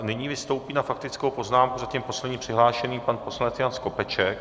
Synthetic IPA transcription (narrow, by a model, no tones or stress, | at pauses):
nɪɲiːvɪst̪owpiːnafakt̪ɪt͡skowpo̞znaːmkuzacimpo̞slɛdɲiːpr̥ɪɦlaːʃɛniːmpanpo̞slanɛt̪jansko̞pɛt͡ʃɛk